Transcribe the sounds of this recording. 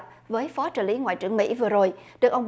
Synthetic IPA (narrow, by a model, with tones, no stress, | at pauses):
p̚vəː˨˦jfɔ˨˦t͡ɕəː˧˩li˨˦ŋwa̰˧˨jt͡ɕɨ˧˩əŋmḭ˧˥vɨ˨˩əzo˨˩jɗɨ˨˩kʔə˧wŋ͡m